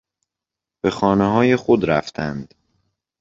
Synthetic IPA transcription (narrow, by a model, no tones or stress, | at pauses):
b̥e̞xɒːneɦɒːje̞xod̪ɾæft̪ʰænd̪̥